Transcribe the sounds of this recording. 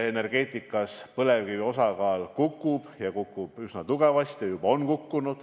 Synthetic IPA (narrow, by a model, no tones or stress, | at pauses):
ene̞rɡ̥e̞ːt̪ˑikːˑɑspɤle̞vɡyvio̞sɑɡɑːlkukːˑub̥jɑkukːˑub̥ysnɑt̪uɡ̥e̞vɑst̪jɑjubɑo̞nkukːunud̪̥